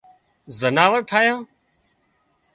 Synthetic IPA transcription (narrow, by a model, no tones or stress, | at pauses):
zənaːʋəɾʈʰaːjãː